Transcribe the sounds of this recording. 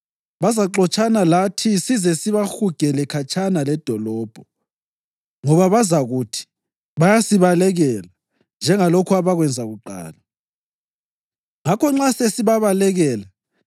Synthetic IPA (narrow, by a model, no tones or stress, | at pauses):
βazaǃɔt͡ʃʼanalatʰisizɛsiβaxuɡ̥ʱɛlɛkʰat͡ʃʰʼanalɛd̥ʱɔlɔːb̥ʱɔ | ŋɔβaβazaɣutʰi̥ | βajasiβalɛɣɛla | nd͡ʒʱɛŋalokʰuaβaɣwɛnd͡zʱaɣuǃa̰ːla | ŋakɔŋ͡ǁasesiβaβalɛɣɛːla